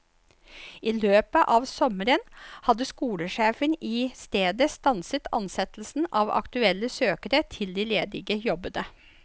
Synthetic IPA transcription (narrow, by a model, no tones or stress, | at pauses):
ʔiːløːpəʔɑʋsɔməɾənhɑd̪əskuːləʂeːfəniːst̪eːd̪əst̪ɑnsət̪ʰɑ̰nsɛt̪l̩sn̩ɑʋɑ̰kt̪ʉɛlːəsøːkəɾət̪ʰɪld̪iːleːd̪ɪɡəjɔbənə